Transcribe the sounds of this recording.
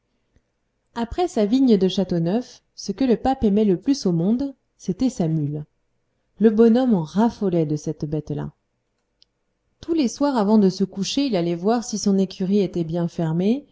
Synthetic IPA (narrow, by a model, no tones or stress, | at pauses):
apχɛsaviɲd̪əʃat̪onœf | səkələpapɛmɛləplysomɔ̃d̪ | set̪ɛsamyl | ləbɔnɔm̃ʁafɔlɛd̪əsɛt̪bɛt̪la̰ | t̪uleswaʁavɑ̃d̪əsəkuʃeilalɛvwaʁsisɔ̃nekʲʰyʁiet̪ɛbjɛ̃fɛʁme